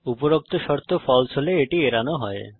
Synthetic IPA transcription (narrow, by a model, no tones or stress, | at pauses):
upoɾok̚t̪oʃɔɾt̪ʰofɔlt͡ɕʰoleeʈieɾanoɦɔe